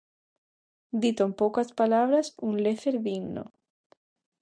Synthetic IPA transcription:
d̪it̪oempokaspalaβ̞ɾasunleθeɾðiɡno̰

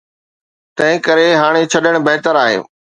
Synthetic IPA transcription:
t̪ɐ̃ɦɪ̃kɐɾeɦaːɽ̃et͡ɕʰɐɗəɽ̃bɐɦt̪əɾaːɦḛː

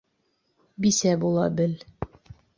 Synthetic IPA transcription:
bisæbulˠɑ̰bɘl

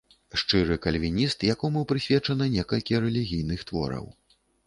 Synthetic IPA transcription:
ʂt͡ʂɨɾɨkɐlʲvʲinʲist̪jakɔmuwpɾɨsʲvʲɛt͡ʂɐnɐnʲɛkɐlʲkʲiɾɛlʲiɣʲijnɨxt̪vɔ̰ɾɐ̰w

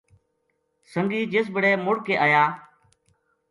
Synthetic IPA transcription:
səŋɡiːd͡ʒes̬bəɽeːmʊɽkeːʔəːjaː

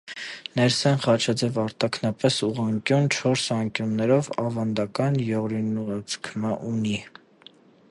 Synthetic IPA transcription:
nɛɾsɛnχɑt͡ʃʰɑd͡zɛvɑɾt̪ɑkʰnɑpɛsuʁɑŋkjunt͡ʃʰɔɾsɑŋkjunːɛɾɔvɑvɑnd̪ɑkɑnjɔɾinuɑt͡sʰkʰməʔuni

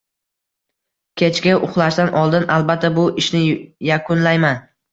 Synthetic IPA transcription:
kʲʰe̞t͡ʃɡʲaʊχlˠaʃd̪anʔɒlˠd̪ɪnalˠbat̪ʰːabʊʔɪʃnɪjakʰʊnlajman

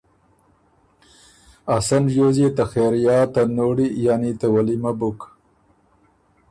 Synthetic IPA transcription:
asanʒozet̪axeɾjɑːt̪anoɽijanit̪awalimabʊk

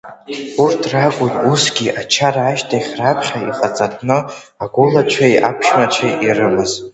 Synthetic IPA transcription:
urtʰrakʷʼʊnusɡʲiʔat͡ʃʰaraːʃtʰaχʲrapʰχʲaiqʼat͡sʼatʰʼnɨ | aɡʷʊlat͡ʃʷʰajʔa̰pʰʃmat͡ʃʷʰaʔirɨmɨz

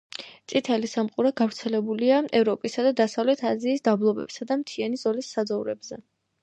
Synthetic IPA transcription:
t̪sʼit̪ʰɛlisamqʼuɾaɡavɾt̪sʰɛlɛbuliaɛvɾɔpʼisad̪ad̪asavlɛt̪ʰaziːsd̪ablˠɔbɛ̰bsad̪amt̪ʰianizɔlisːad̪zɔvɾɛbzɛ

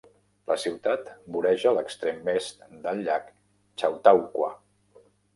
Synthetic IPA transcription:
lə̰siwt̪at̪buɾɛʒəːləkst̪ɾemːɛst̪d̪əlʎːak | t͡ʃawt̪awkwə̰

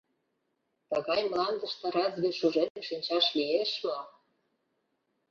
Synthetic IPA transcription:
t̪əɣɑjmlɑnd̪əʃt̪ɤ̆ɾɑzβʲeʃuʒenə̆mʃinʲt͡ɕɑʃlieʃmo

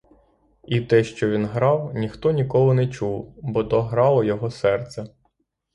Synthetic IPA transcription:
it̪ɛʃt͡ʃɔʋʲinɦɾɑwnʲixt̪ɔnʲikɔlˠʊnɛt͡ʃuwbɔd̪ɔɦɾɑlˠɔjɔɦɔsɛrt̪sɛ

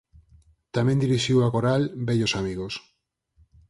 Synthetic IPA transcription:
t̪amẽnd̪iɾiʃiwakoɾalbeʎosamiɣ̞os

